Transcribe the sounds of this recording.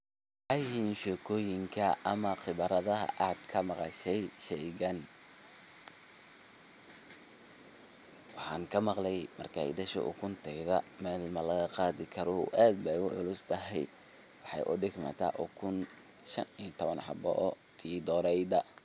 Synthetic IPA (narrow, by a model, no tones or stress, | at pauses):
ʔɐjhinʃɛːkʰɔːjɪŋkʰɐɐmɐqɪβɐɾɐðɐɦɐ̰ʔaːd̪kʰɐmɑqɑ̰ʃɛjʃɛjɣɐn | wɑħɑːŋkʰɐmɑqlɛjmɐ̰rkʰa̰ːɪ̰d̪ɐʃɔ̰ʔʊ̰kʰʊnt̪ʰɛjðɐmɛːlmɐlɐɣɐqɑːðɪkʰɐɾɔṵʔaːd̪̚bɛjʊʕʊlʊst̪ʰɐɦɛj | wɑħɑ̰jʔʊ̰ɖɪɡmɐ̰t̪ʰɐ̰ʔɔ̰kʰʊn | ʃɐ̰niːt̪ʰɔβɐnħɑ̰bɔ̰ʔ | iːd̪ɔːɾɛjd̪ɐ